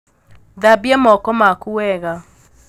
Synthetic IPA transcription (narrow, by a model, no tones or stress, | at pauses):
ðabiɛmɔkɔmakuɛɣa